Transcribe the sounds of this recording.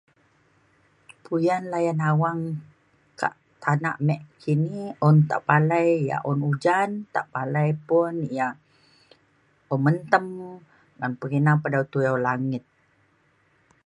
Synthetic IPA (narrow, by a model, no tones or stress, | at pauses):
pʰujanlajanawaŋ | kʰa̰ʔ | t̪ʰana̰ʔmɛʔkʰiniɔnt̪a̰ʔpalajja̰ʔɔnud͡ʒant̪a̰ʔpalajpunijaʔ | ɔmənt̪əm | ɡanpəɡinapadawt̪ujawlaŋɪt̪̚